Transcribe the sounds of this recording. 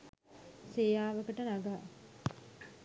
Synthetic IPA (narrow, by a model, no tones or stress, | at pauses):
sejaːʋəkəʈənaɡaː